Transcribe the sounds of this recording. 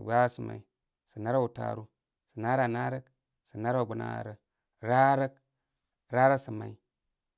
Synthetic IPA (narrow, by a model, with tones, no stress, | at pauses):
ɡa˦su˨ma̰˨i˨ | sə˨na˦ɾa˦u˨ta̰˦˨ɾu˦ | sə˨na˦ɾa˨na˦ɾə˦k | sə˨na˦ɾa˦˨ɡu˨˦na̰˦˨ɾə˦ | ɾa˦ɾə˦k | ɾa˦ɾə˦sə˨ma̰˨i˦